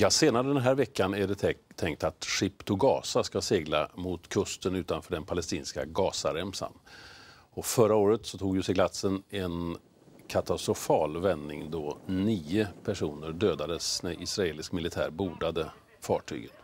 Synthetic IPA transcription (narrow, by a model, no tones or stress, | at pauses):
jɑːseːnaɾəd̪ɛnɦæːɾvɛkʰːanɛd̪ɛɛt̪ʰːɛŋk̚t̪at̪ɧɪpt̪ʊɡɑ̰ːsaskaseːɡla̰mʊt̪kʰɵst̪ənʉ̟ːt̪anfœːɖɛnpʰalɛst̪iːnska̰ɡɑːsaɾɛmsa̰n | ɔfœɾaoːɾət̪sɔt̪ʰuːɡjʊsɛɡlat̪sənɛn | kʰat̪ast̪ɾʊfɑːlvɛnːɪ̰ŋd̪ɔniːəpʰæʂuːnəɾɖøːd̪ad̪əsnæɾʔɪsɾaeːlɪskmɪlɪt̪ʰæ̰ːɾbuːd̪ad̪ə | fɑ̰ːʈʰy̰ːɡən